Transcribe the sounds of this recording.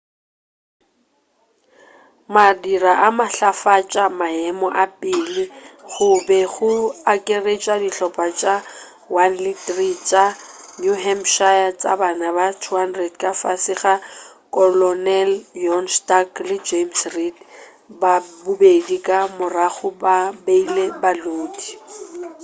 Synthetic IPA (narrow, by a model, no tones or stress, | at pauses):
madiraʔamaɬafat͡ʃʼamaɛmɔʔapʼilɪɣʊbɛɣʊakʼeret͡ʃʼadiɬɔpʼat͡ʃʼa | wanlitʼrit͡ʃʼanjuɦɛmʃajat͡ʃʼa̰banabatʰuɦandrɛdkʼafasɪɣa | kʼɔlɔnɛljɔnstaklɪd͡ʒemsrit | babubedikʼamʊraχʊbabeilebaloːdi